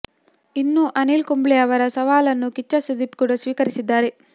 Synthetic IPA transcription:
inːuʔɐnilkumbleɐʋɐɾɐsɐʋaːlɐnːukit͡ʃːɐsud̪ipkuːɽɐsʋiːkɐɾisid̪ːaːɾe̞

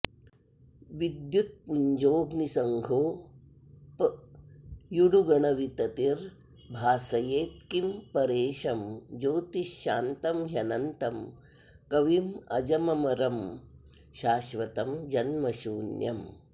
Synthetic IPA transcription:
ʋid̪jut̪̚puɲd͡ʒoːɡnisɐŋɡʱoː | p | juɽuɡɐɳɐʋit̪ɐt̪iɾ | bʱaːsɐjeːt̪̚kimpɐɾeːʃɐmd͡ʒoːt̪iʃaːnt̪ɐmɦjɐnɐnt̪ɐm | kɐʋimɐ̰d͡ʒɐmɐmɐɾɐm | ʃaːʃʋɐt̪ɐmd͡ʒɐnmɐʃuːnjɐ̰m

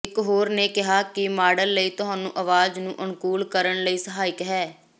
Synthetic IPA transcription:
ɪkɦoːɾneːkɪɦaːkɪmaːɖəlːəiːt̪ʊɦãːnũːʔəʋaːd͡ʒnũːʔʊnkuːlkəɾəɳləiːsəɦaːɪkɦɛː

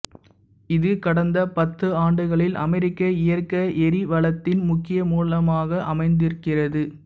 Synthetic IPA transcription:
ɪðɯkɐɽɐnd̪ɐpɐt̪ːɯaːɳɖɯɣɐɭɪlʔɐ̰mɛɾɪkːɐɪjɐrkɐʔɛɾiʋɐɭɐt̪ːɪnmʊkːɪjɐmuːlɐmaːɣɐʔɐmɐɪnd̪ɪɾɯkːɪrɐðɯ

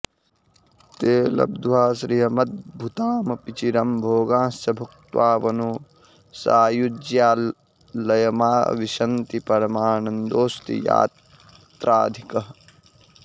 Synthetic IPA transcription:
t̪eːlɐ̰b̚d̪uwaːsɾiɦɐmɐt̪̚bʱut̪aːmɐpit͡ʃiɾɐmbʱoːɡãːsɐbʱuk̚t̪waːʋɐnu | saːjud͡ʒjaː | lɐjɐma̰ːʋiʃɐnt̪ipɐɾɐmaːɳɐnd̪oːst̪ḭja̰ːt̪ | t̪ɾaːd̪ʱikɐɦɐ

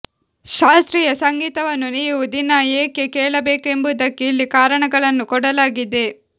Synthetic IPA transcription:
ʃaːst̪ɾiːjɐsɐŋɡiːt̪ɐʋɐnːuniːʋud̪inɐeːke̞keːɭɐbeːke̞mbud̪ɐkːeilːikaːɾɐɳɐɡɐɭɐnːukɔɽɐlaːɡid̪e̞

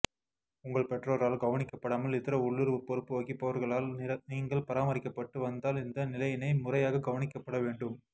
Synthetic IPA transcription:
ʊŋɡɐɭpɛʈroːɾaːlɡɐʋɐnɪkːɐpːɐɽaːmɐlɪt̪ːɪɾɐʊɭːɯɾpɔɾɯpːɯʋɐɣɪpːɐʋɐɾɣɐɭaːlɐniːŋɡɐɭpɐɾaːmɐɾɪkːɐpːɐʈːɯʋɐnd̪aːlɪnd̪ɐnɪlɐjɪnɐɪmʊrɐjaːɣɐɡɐʋɐnɪkːɐpːɐɽɐʋeːɳɖɯm

